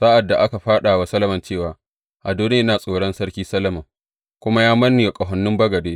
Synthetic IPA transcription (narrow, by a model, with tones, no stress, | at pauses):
saː˦ʔa˨dːa˨ʔa˦ka˨ɸaː˦ɗa˨wa˨˦sɐ˦lɐ˨mɐ˨nt͡ʃeː˦˨waː˨ | ʔa˨doː˦nː˦naː˨sʼoː˨ɽɔ˦nsɐ˦ɽkʲiː˦sɐ˦lɐ˨mɐ˨ŋ | kʷʊ˦ma˦jaː˦mɐ˦nːi˨ja˨kʼɐ˨ɦɔ˨˦nːʊ˦mbɐ˦ɡɐ˨deː˦